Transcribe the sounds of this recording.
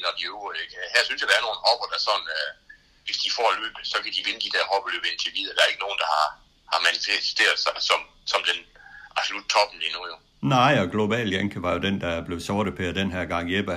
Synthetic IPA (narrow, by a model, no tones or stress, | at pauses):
nɒd̥ioɡ̥eɡ̥hæɐsynsjɐd̥ɑɐno̝ːn̩hɒb̥ɐd̥ɑsɒ̽n̩ | ʋe̝sd̥ifɒ̰ːlø̰ːb̥sɒ̽kʰæd̥iʋe̝nəd̥id̥æɐhɒb̥lø̰ːb̥ent͡sʰe̝ʋiðˠɐd̥ææɐe̝ɡ̥əno̝ːn̩d̥ɑ̈hɑ̈ | hɑ̈mænife̥sd̥ʰe̝̰ːɐðˠsɑ̈ɪsɒ̽m | sɒ̽md̥enʔɑ̈b̥solud̥̚t͡sʰɒ̽b̥n̩lino̰j | nɑɪ̰ɒ̽ɡ̥lo̝bɛ̰ːljeŋkʰəʋɑ̈jo̝d̥end̥ɑb̥le̝ʊsɒːɾ̥ðˠpʰeɐd̥enɦæɐ̰ɡ̥ɑ̈ŋ̰jeb̥ə